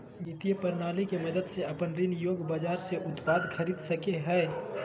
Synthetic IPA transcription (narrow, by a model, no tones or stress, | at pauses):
mɪt̪ijəpɐɾnaːlikemɐd̪əd̪seɐpənɾɪnjoːɡbaːd͡ʒaːɾseʔʊt̪paːd̪xʰɐɾiːd̪sɐkeɦɛː